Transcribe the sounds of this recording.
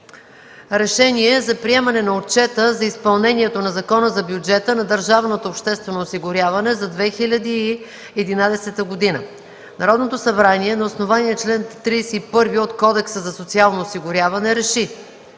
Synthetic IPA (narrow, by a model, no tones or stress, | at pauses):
ɾɛʃɛniɛzɐpɾiɛmɐnɛnɐot̚t͡ʃɛt̪əzɐispɐlˠnɛnʲiɛt̪onɐzɐkɔnəzɐbʲjud͡ʒɛt̪ənɐd̪əɾʒavnot̪oːpʃt̪ɛst̪vɛnoːsiɡʊɾʲjavɐnɛzɐd̪vɛxilʲɐd̪iː | ɛd̪inad̪ɛsɛt̪əɡod̪inə | nɐɾɔd̪not̪osɐbɾaniɛnɐosnovaniɛt͡ʃlɛnt̪ːɾisɛipɤɾviot̪kɔd̪ɛksəzɐsot̪sialˠnoːsiɡʊɾʲjavɐnɛɾɛʃi